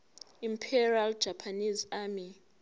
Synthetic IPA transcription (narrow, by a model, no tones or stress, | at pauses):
impʰɛriald̥ʒ̥ʱapʰanizami